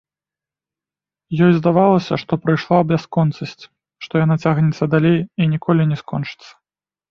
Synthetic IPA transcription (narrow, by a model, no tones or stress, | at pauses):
jɔjzd̪avalˠɐsʲɐ̰ʂt̪ɔpɾɨjʂlˠaɐbʲaskɔnt̪sɐsʲt͡sʲ | ʂt̪ɔjanat͡sʲaɣnʲɛt̪sːɐd̪alʲejinʲikɔlʲinʲɛskɔnt͡ʂɨ̥t̪sːɐ̥